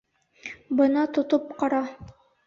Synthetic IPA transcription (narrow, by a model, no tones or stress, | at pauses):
bɤnɑt̪ŏt̪op̚qɑɾɑ